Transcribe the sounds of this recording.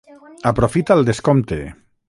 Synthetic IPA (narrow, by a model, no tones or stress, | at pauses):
apɾofit̪alˠd̪eskomt̪ḛ